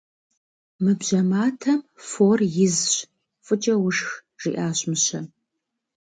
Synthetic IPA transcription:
mɨbʑɐmaːtʰɐmfoːrjɪzɕ | fʼɨt͡ʃʼɐwʊʂx | ʒ̥ḭʔaːɕmɨɕɐ

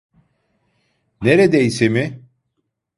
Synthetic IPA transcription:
neɾed̪ɛisimɪ

